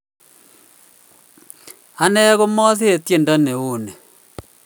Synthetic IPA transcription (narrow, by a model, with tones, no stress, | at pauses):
a˦nɛ˦ɣo˦mɔ˦θe˦e˨tje˨nda˦ne˨o˨nɛ˨